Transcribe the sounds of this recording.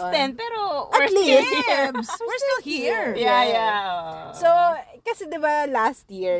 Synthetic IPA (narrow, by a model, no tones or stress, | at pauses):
d̪ɛnpɛɾoʔɐlisswɪɹst̪ɪlhiɹjaja | sokɐsɛd̪ɪbalast̪̚jiɹ